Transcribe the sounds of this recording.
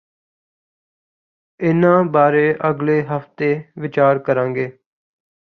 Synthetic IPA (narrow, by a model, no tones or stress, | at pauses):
ɪnãːbaːɾeːʔəɡleːɦəft̪eːʋɪt͡ʃaːɾkəɾãːŋɡeː